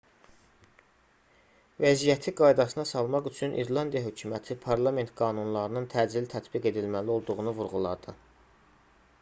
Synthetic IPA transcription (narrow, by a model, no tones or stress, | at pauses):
væzijæt̪ʰiɡɑjd̪ɑsɯnɑsɑlˠmɑχyt͡ʃʰynʔḭɾlˠɑnd̪ijɑɦø̞cʰumæt̪ʰipʰɑɾlˠɑme̞nt̪ɡɑːnunlˠɑɾɯnɯnt̪ʰæd͡ʒlilt̪ʰæt̪biɡe̞d̪ilmælio̞lˠd̪uɣunuvuɾʁulˠɑ̰d̪ɯ